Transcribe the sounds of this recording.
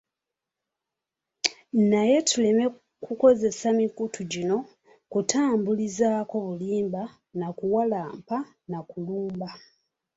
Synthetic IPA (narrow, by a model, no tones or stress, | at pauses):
naje̞tʰule̞me̞ | kuko̞ze̞samikutʰuɟino̞ | kutʰaːmbulizaːko̞βuliːmba | nakuwalaːmpa | nakuluːmba